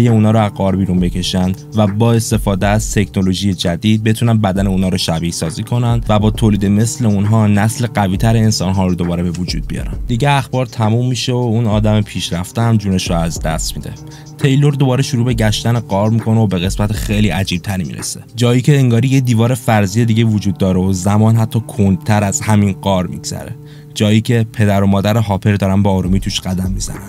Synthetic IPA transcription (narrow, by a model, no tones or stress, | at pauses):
jeunɒːɾoæzɢɒːɾbiːɾunbe̞cʰe̞ʃænd̪væbɒːe̞st̪e̞fɒːd̪eæz̥t̪ʰe̞cʰno̞lo̞ʒije̞d͡ʒæd̪iːd̪̚be̞t̪ʰunænbæd̪æneuːnɒːɾɔʃæbisɒːziːkʰo̞nænd̪̥væbɒːt̪ʰoːliːd̪e̞me̞sle̞unɦɒːnæsle̞ɡæviːt̪ʰæɾeːnsɒːnɦɒːɾod̪o̞bɒːɾe̞be̞vod͡ʒṵːd̪̚bḭjɒ̰ːɾæ̰nd̪iɟeæxbɒːɾt̪ʰæmumːiʃeounɒːd̪æme̞pʰiːʃɾæft̪eæmd͡ʒuːne̞ʃɾoæzd̪æ̰st̪mḭd̪e̞̰ | t̪ʰe̞jlo̞ɾd̪o̞bɒːɾe̞ʃuɾuːbe̞ɟæʃt̪æneɡɒːɾmikʰo̞neobe̞ɣe̞smæt̪ʰexejliːʔæd͡ʒiːb̚t̪ʰæɾimḭɾʔḛsed͡ʒɒːjiːcʰe̞ːŋɡɒːɾijed̪iːvɒːɾe̞fæɾziːje̞d̪iɟe̞vod͡ʒuːd̪̚ːɒːɾeozæmɒːnɦæt̪ʰːɒːkʰond̪̥̚t̪ʰæɾæz̥hæminɢɒːɾmḭɡz̥æ̰ɾe̞̰ | d͡ʒɒːjiːcʰe̞pʰe̞d̪æɾo̞mɒːd̪æɾeɦɒːpʰe̞ɾd̪ɒːɾænbeɒːɾumiːt̪ʰuːʃɢæd̪æmːizæ̰næn